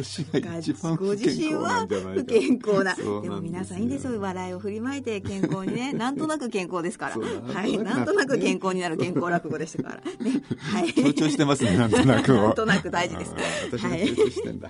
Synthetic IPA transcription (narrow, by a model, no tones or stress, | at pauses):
ɕiaɡĩɡoʑiɕĩɰ̃βakẽŋko̞ːnad̪e̞mo̞mʲinasãĩːnd̪e̞sɨjoβad̪aio̞ɸɯ̟ɾʲimaet̪e̞kẽ̞ŋko̞ːɲine̞nãnt̪o̞nakɯ̟kẽ̞ŋko̞ːd̪e̞sɨ̥kaɾa̰hainãnt̪onak̬ɯ̟kẽ̞ŋkoːɲ̟inaɾɯ̟kẽ̞ŋkko̞ːɾakɯ̟ɡo̞d̪e̞ɕi̥t̪ḁka̰ɾa̰nehaiːt͡ɕoːɕit̪emasɨnenãnnakt̪o̞nakɯd̪aiʑid̪e̞sɨ̥haiḛ̃d̪